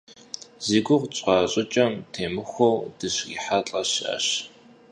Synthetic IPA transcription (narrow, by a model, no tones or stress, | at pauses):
z̥iːɡʷʊʁt͡ɕʼqɑːɕʼɪt͡ʃʼɐmtʰeːmɨxʷowd̥ɨɕḭːħat͡ɬʼɐɕa̰ːɕ